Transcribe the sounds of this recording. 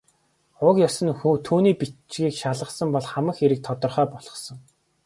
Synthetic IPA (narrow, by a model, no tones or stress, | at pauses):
ʊkjɔsə̆nxut̪ʰuːniːpit͡ɕɡiːkʃaɮʁə̆χsə̆mpɔɮχamə̆xeɾɘ̆k̚t̪ʰɔt̪ɞ̆rχœːpɔɮ̥ʁɞ̆χsɞ̆ŋ